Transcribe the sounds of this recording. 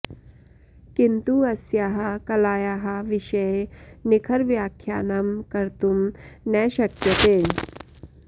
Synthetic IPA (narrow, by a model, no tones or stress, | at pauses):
kint̪uɐsjaːɦɐkɐlaːjaːɦɐʋɪʃɐjnɪkʰɐɾʋjaːkʰːjaːnamkɐɾt̪umnɛʃɐkjɐt̪eː